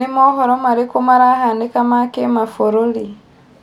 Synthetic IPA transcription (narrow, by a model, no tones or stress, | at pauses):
emɔhɔɾɔmaɾekumaɾahandekamakemafoɾoli